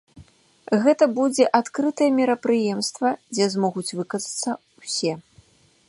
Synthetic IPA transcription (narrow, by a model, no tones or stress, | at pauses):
ɣɛt̪ɐbud͡zʲɛʔat̪kɾɨt̪ɐjɛmʲiɾɐpɾɨjɛmst̪vɐd͡zʲɛzmɔɣut͡sʲvɨkɐzɐt̪sːɐ | wsʲɛ